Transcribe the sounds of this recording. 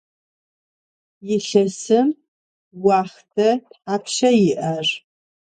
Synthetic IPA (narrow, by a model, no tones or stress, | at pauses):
jɪɬɐsɨm | wɑːχtʰɐtħaːpʰʃɐjɪʔɐr